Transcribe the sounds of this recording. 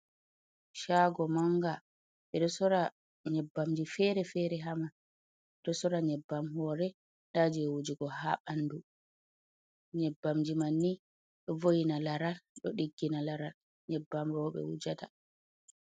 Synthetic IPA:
ʃaɡɔmaŋɡa | ɓɛɗɔsɔɾa | ɲɛbːamd͡ʒifɛɾɛfɛɾɛɦama | ɗɔsɔɾaɲɛbːamɦɔːɾɛ | ɗaːd͡ʒiɛwud͡ʒiɡɔhaɓandu | ɲɛbːamd͡ʒimanːi | ɗɔvojinalaɾalɗɔɗiɡːinalaɾal | ɲɛbːamɾɔːɓɛ̰wud͡ʒata

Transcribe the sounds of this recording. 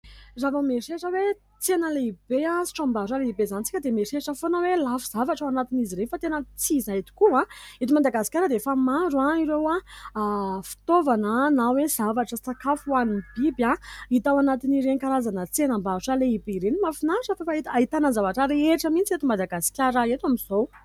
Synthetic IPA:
zavəmeʂeʂəwe | t͡senəleibeãsi̥ʈ͡ʂãmbaʃaleibezanit͡sikʲəd̪emeʂeʂəfonəwelafiz̥avaʈ͡ʂawanat̪iniziɾefat̪enət͡sizait̪i̥kuãit̪umad̪aɡasi̥kʲaɾəd̪efamaɾuãiɾewa | fi̥t̪ovanənawez̥avaʈ͡ʂəsakafuanibibãit̪awanat̪iniɾeɲkaɾazanət͡senəmbaʈ͡ʂaleibeɾenimafinaʈ͡ʂəfafait̪ait̪anəzavaʈ͡ʂaɾeʈ͡ʂamint͡siet̪umad̪aɡasi̥kʲaɾaet̪wamiz̥ow

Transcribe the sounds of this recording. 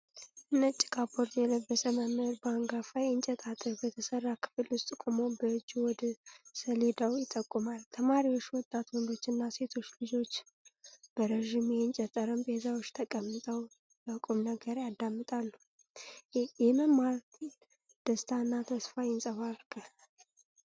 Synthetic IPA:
ʔɨnːət͡ʃʼːɪ̥kʼaboɾd̪jɛləbːəsəməmɨhɾbəaŋɡafajɛnt͡ʃʼɛt̪ʼat̪ʼəɾbət̪ʰəsərːakʰɨ̥fɨlwʊst̪ʼɨkʼomo̞bəɨd͡ʒːuwɔd̪əsəled̪awjɪt̪ʼːəkʼːumalt̪ʰəmaɾiwo̞t͡ʃːwɔt̪ʼːat̪wɔnd̪ot͡ʃːɨnːase̞t̪ʰot͡ʃːlɨd͡ʒo̞t͡ʃː | b̥əɾəʒimjɛnt͡ʃʼɛt̪ʼːəɾəmbəhzawot͡ʃːt̪ʰəkʼəmːɨt̪ʼəw | jakʼumnəɡəɾjad̪amːɨt̪ʼalːu | jɛməmaɾtʰ | d̪̥əst̪ʰanːat̪ʰəsfajɪnsʼəβaɾɡʰal

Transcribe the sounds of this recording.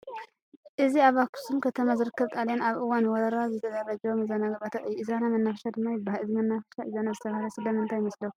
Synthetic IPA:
ʔɨziaβaku̥sumkʰɐt̪ʰɐmazɨɾɨkʰːɨβt̪ʼaljanaβʔɨwanwɔɾɐɾazɨt̪ʰɐzarɐd͡ʒɛwomɨzanabɐt̪ʰɐʔɨjːuɨzanamɐnːafɐʃad̪ɨmːajɪbahaɨzimɐnːafɐʃaʔɨzanazɨt̪ʰɐβahalɐsɨlɐmɨnt̪ʰajɪmɐslɐw

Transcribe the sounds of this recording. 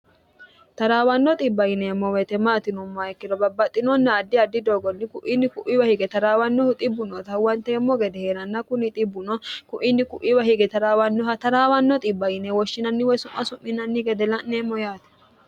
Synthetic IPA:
t̪ɐɾaːwɐnːɔt̪ʼɪbːɐjɪnemːɔwɛt̪ɛmaːt̪ɪnɔmːaːjɛkːɪd̪ɔbɐbːɐt̪ʼːɪnɔnːɐːd̪ːɪɐd̪ːɪd̪oːɡɔnːɪkʊʔɪnːɪkʊʔɪwɐhɪɡɛt̪ɐɾaːwɐnːɔht̪ʼɪbːʊnɔt̪ɐwɐnt̪ɛːmːɔɡɛd̪ɛheːɾɐnːɐkʊnɪt̪ʼɪbːʊnɔkʊʔɪnːɪkʊʔɪwɐhɪɡɛt̪ɐɾaːwɐnːɔhɐt̪ɐɾaːwɐnːɔt̪ʼɪbːɐjɪnɛwɔʃːɪnɐnːɪwɔjsʊmːɐsʊmːɪnɐnːɪɡɛd̪ɛlɐnːɛmːɔjaːt̪ɛ̥

